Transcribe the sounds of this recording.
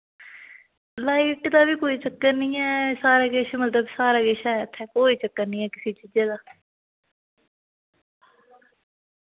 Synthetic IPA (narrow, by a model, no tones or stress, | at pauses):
laːiːʈd̪aːʋiːkoːiːt͡ʃəkːəɾnĩːɛːsaːɾaːɡeʃmət̪ləbsaːɾaːɡeʃaːɛt̪ʰːɛ̃ːkoːiːt͡ʃəkːəɾnĩːɛːkɪseːt͡ʃiːd͡ʒaːd̪aː